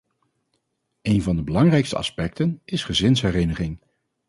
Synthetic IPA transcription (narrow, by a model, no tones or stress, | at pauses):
ejnvɑndəbəlɑŋrɛjkstəɑ̰spɛk̚tənɪsχəzɪnsɦɛrenəχɪŋ